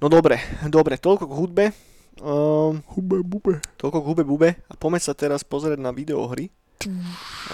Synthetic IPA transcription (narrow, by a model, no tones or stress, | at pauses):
nɔd̪ɔbɾɛd̪ɔbɾɛt̪ɔʎkɔɡɦud̪̚bɛ | hubɛbubɛt̪ɔlkɔɡɦubɛbubɛapɔmɛt͡ssat̪ɛɾaspɔzɾiɪɛɟnaʋid̪ɛɔ̰ɦɾi | t̪i